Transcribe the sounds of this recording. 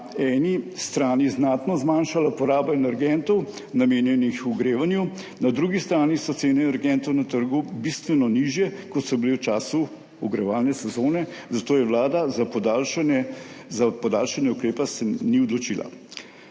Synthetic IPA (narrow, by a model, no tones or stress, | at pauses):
ɛːnist̪ɾaːniznaːt̪nɔzmaːnʃalapɔɾaːbaɛnɛɾɡɛnt̪ɔw | nameːnjɛnixuɡɾeːʋanju | nad̪ɾuːɡist̪ɾaːnisɔt̪seːnɛnɛɾɡɛnt̪ɔwnat̪əɾɡubist̪ʋɛnɔniʒjɛkɔt̪sɔbilewt͡ʃaːsu | uɡɾɛʋaːlnɛsɛzoːnɛzat̪oːjɛʋlaːd̪azapɔd̪alʃnɛzapɔd̪aːlʃanjɛukɾeːpɛsɛniɔd̪lɔt͡ʃiːla̰